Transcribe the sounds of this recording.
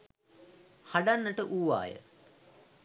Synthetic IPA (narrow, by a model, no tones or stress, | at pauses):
haɖanːəʈəʔuːʋa̰ːjə̰